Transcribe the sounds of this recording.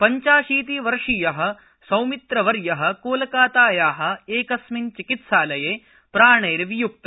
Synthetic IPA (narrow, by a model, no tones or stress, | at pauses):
pɐɲt͡ʃaːʂiːt̪iʋɐɾʂijɐɦɐ̆ | sɐwmit̪ɾɐʋɐɾjɐɦɐ̆koːlɐkaːt̪aːjaːɦɐ̆eːkɐsmint͡ʃikit̪saːlɐjeː | pɾaːɳeːɾɐʋijuk̚t̪ɐ